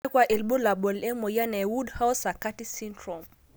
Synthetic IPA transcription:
kwa˨ʔɛ˨lɓɔ˦la˨ɓɔ˨lɛ˦mɔ˨ja˦na˨wu˦dha˦wsa˨ka˦ti˦si˦ntɾɔ˨m

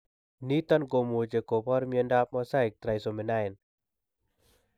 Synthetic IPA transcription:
ni˦t̪ɔ˦nko˧mo˨t͡ʃe˨ko˨pʰa˦ɾmi˧ə˧nda˦p̚mɔ˧sa˦˨k̚t̪ɾa˨˧jso˨me˨na˦e˨n

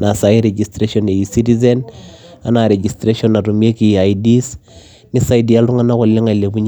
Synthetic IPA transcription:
na˨sa˨i˦ɾe˨d͡ʒi˨stɾe˦ʃɔne˨i˨si˦ti˦zɛ˦na˨na˨ɾe˨d͡ʒi˨stɾe˦ʃɔ˦na˨ɾu˨m˦e˦ki˨a˨idi˦s | ni˦sa˦jdi˨a˦lɾu˦ŋa˦na˦kɔ˨lːe˦ŋa˨le˨bu˦ɲ

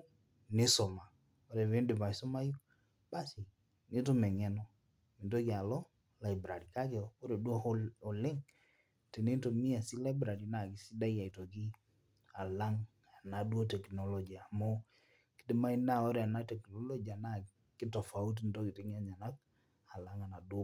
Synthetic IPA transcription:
nɪ˦so˨ma˨ | o˦ɾe˨ve˦ndɪ˨ba˨so˦ma˦ju˦ | b̥a˦si˨ | nɪ˦t̬o˦mɛ˨ŋɛ˦nɔ˦ | i˨ndo˦ki˨a˨lɔ˦ | la˨jbɾa˨ɾi˨ka˦ke˨˦o˦ɾe˨du˦ɔ˦o˨lɪ˦ŋ | te˨ne˦n˦to˨mi˦a˨si˦la˦ɪ˦bɾa˨ɾi˨na˨ki˦si˦da˦ja˨i˨to˨ki˦ | a˨la˦ŋ | a˨na˨dwo˦tɛ˨knɔ˦lɔ˨d͡ʒi˨a˨mo˦ | kɪ̥˦tɪ˦ma˦i˦na˦o˦ɾe˨a˨na˦tɛ˨knɔ˦lɔ˦d͡ʒi˨a˨na˦˨ | kɪ˦tɔ˨fa˨u˦t̬ndo˦ki˨tɪ˦ŋ˦a˦ɲa˨na˦k̚ | a˨la˦ŋa˨na˨do˦

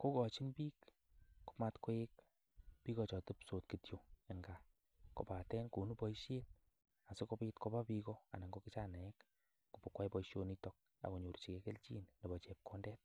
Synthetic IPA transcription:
ko˦kɔ˨t͡ʃi˦npiː˦k | ku̥˦pma˦tko˦e˦k | pi˦kɔ˨t͡ʃɔ˨tɨ˦pso˨tki˨tjo˨e˨ŋɡa˨ | ko̰˨pa˨tɛ˦nku˨nu˦pɔ˦iʃe˦t̚ | a˨sɪ˦kopi˦tko˦ba˦pi˧kɔ˦a̰˨ni˨ŋɡokɪt͡ʃa˦na˨ɛ˦k | ku˨po˨kwa˦jpɔ˨iʃjo˦nitɔk̚ | a̰˨ko˨ɲo˨ɾt͡ʃi˨kɛ˦ke˦lt͡ʃi˦nne˨bɔ˨t͡ʃɛ˨p̚ko˦ndɛ˦t̚

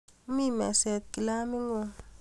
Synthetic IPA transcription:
u˦mi˦ma˨se˨t̪̚ki˨la˦mi˦ŋo˦

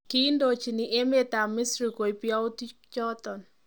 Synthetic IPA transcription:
ki˦ndo˨t͡ʃi˨nɪ˨ʔe˦me˦t̪a˨mɪ˦sɾi˨ko˨i˨pja˦ʊ˦ti˦ | t͡ʃɔ˦t̪ɔ˨n

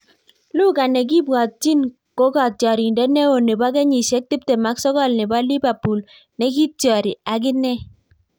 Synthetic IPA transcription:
lʊ˦ka˨nɛ˨ɡɪ˦bwɔ˨t̚t͡ʃi˦n | ko˦ɡɔ˨t̚tjɔ˨ɾi˨ndɛ˦nɛ˦o˨ne˨ba˦ɡɛ˦ɲi˨sɛ˦k̚ti˦p̚te˨ma˨˦ksɔ˦ɡɔ˦˨lnɛ˨ba˦li˦ba˨pu˨l | nɛ˨˦ɡi˦tjɔ˨ɾɪ˨a˨ɡɪ˦nɛ˦

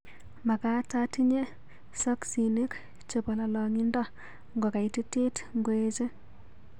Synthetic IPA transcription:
ma˨ka˦ta˦ti˦ɲe˦ | sɔ˦ksi˨ni˦k | t͡ʃe˨po˨la˨lɔ˨ŋi˦ndɔ˦ | ŋɡo˨ka˨i˨ti˦tɪ˦tŋɡwe˦t͡ʃe˦

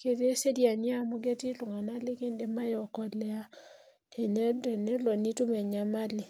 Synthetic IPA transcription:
ke˨de˦se˦dja˨nɪ˦a˦mɔ˦ɡe˦ti˦lʊ˨ŋa˨na˦lɪ˦ke˦nde˨ma˦jɔ˨kɔ˨lɛ˦a˦ | e˨nɛ˦dɛ˨nɛ˦lɔ˨ni˦tu˦mɛ˨ɲa˨ma˦lɪ˨

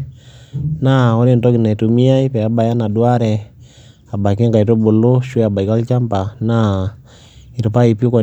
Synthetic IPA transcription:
na˦ɔ˦ni˦˨nto˦ɡi˨na˨i˨tu˨mi˦a˦i˦pɛ˨a˦ba˨ja˦na˨dwa˦ɾɛ˨ | a˨ba˨ki˦ŋka˨i˨to˦bo˨lo˦ʃwe˦a˨ba˨i˨ka˦lt͡ʃa˦mpa˨na˦˨ | i˨ɾu˨pa˦i˨pu˦kɔ˨

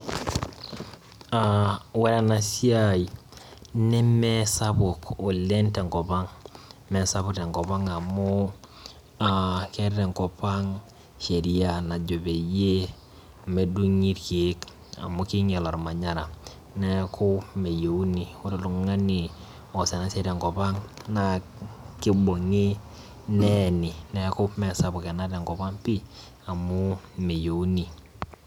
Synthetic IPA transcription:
awe˦ɾa˨na˨si˦a˦j | nɛ˦me˦sa˦bu˨ko˨le˦nte˨ŋko˨pa˦ŋme˨sa˦bu˦te˨ŋko˨βa˦ŋa˨mu˦ | ake˦ɾe˨ŋko˨pa˦ŋ | ʃe˨ɾi˦a˨na˨d͡ʒo˨be˨je˦ | me˨du˦ɲi˦ɾke˨˦k | a̰˨mʊ˦kɪ˦ŋɛ˨lɔ˨ɾma˨ɲa˦ɾa˨ | nɛ˦kʰʊ˦me˨jo˨u˦ni˨ʊ˦ɾe˦˨lʊ˨ŋŋa˦ni˨ | ɔ˨sɛ˨na˦se˦ɾa˨ŋkɔ˨pa˦ŋna˨kɪ˦bo˨ŋi˦ | nɛ˦˨nɪ˨nɛ˨˦kʊ˦mɛ˨sa˨bʊ˨kɛ˨na˦ɾɛ˨ŋkɔ˨pa˦ŋpi˦ | a˨mʊ˦me˨jo˨u˦ni˨

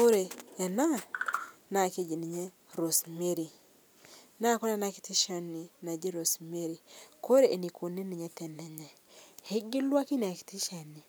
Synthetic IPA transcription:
ko˦ɾe˨ɛ˨na˦ | na˨ke˦d͡ʒi˨ni˨ɲe˦ | ɾo˨sme˦ɾi˨ | na˦ko˦ɾa˦na˦kɪ̥˨tɪ˦ʃa˦ni˨na˨d͡ʒi˦ɾo˨sme˦ɾi˨ko˦ɾe˨ʔe˨ni˨kʰo˨ni˦nɪ˨ɲɛ˦t̪ɛ˨nɛ˨ɲɛ˨ | hɪ˦ɡɪ˦lwa˦ki˦na˨kɪ̥˨tɪ˦ʃa˨ni˨

